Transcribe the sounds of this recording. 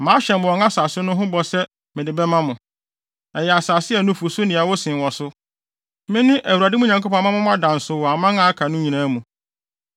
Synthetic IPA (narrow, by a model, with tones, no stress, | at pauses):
mãː˨˦ɕɛ̃˨mbɔ˨ŋã˦saː˨sɪ˦nʊ̃˦ɦʊ̃˦bɔ˨sɛ˦ | mɪ̃˨dɪ˨bɛ˦mã˦mʊ̃˨ | ɛ˨jɛ˨a˨saː˨sɪ˦ɛ˨nʊ̃˦fu˨sʊ˦nɪ̃˨a˨wɔ˦sɪ̃˨wɔ˨sʊ˦ | mɪ̃˦nʊ̃˦ʔæ˨wu˨a˨dɪ˦mũ˦ɲ˨ã˨ŋkʰo˦pʰɔ̃˨˦mã˦mã˦m̃˦a˦dã˨n̩˨sʊ˨wɔ˨a˨mã˦ŋã˨˦a˦kʰa˨nʊ̃˦ɲĩ˨nã˦mũ˨